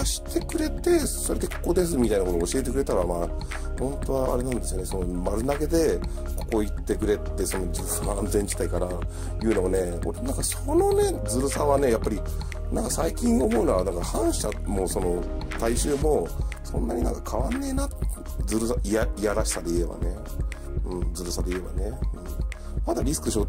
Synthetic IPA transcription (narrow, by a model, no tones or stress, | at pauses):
aɕi̥t̪e̞kɯ̟ɾe̞t̪e̞so̞ɾe̞d̪eko̥ko̞d̪e̞s̬ɨmʲit̪ainakot̪oːɕie̞t̪̬ekɯ̟ɾe̞t̪aɾama | hõ̞nt̪o̞βaa̰ɾe̞nãnd̪esɨijo̞ne̞so̞nomaɾɯ̟naɡe̞d̪e̞ | ko̞̥ko̞it̪ːe̞kɯ̟ɾe̞t̪ːe̞so̞no̞d͡ʑi | aãnd͡zẽ̞ɲd͡ʑi̥t̪aikaɾa | jɯ̟ːno̞one̞ | o̰ɾenãŋkasono̞ne̞d͡zɨɾɯ̟saβane̞japːaɾʲi | nãŋkasaikʲĩɰ̃o̞mo̞ɯnoβanãŋkahãɰ̃ɕamo̞so̞no̞t̪aiɕɨːmo̞sõ̞nːaɲ̟inã̰ŋkakʰaβanːe̞ːnat̪ | d͡zɨɾɯ̟saʔiaiaɾaɕi̥sad̪e̞ie̞ba̰ne̞ | ɯ̟̃ɴd͡zɨɾɯ̟sad̪e̞ie̞ba̰ne̞ɯ̟̃ɴ | mad̪aɾʲisɨ̥kɯ̟ɕo